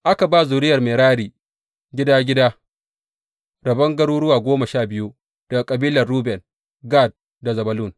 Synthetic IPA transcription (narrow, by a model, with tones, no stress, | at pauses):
ʔa˦ka˨baː˦˨zʊ˨ɾɪ˦jɐ˨rmeː˨ɾaː˦ɾiː˨ | ɡʲɪ˦daː˦ɡʲɪ˦daː˦ | ɾɐ˨bɐ˦ŋɡɐ˦ɽuː˦ɽʊ˦waː˨ɡʷoː˦mɐ˨ʃaː˦˨bɪ˦ju˦ | d̥ɐ˨a˨kʼɐ˨biː˦lɐ˨rːuː˦bɛ˨n | ɡa˦˨d̚ | da˨zɐ˨bɐ˨lu˦˨n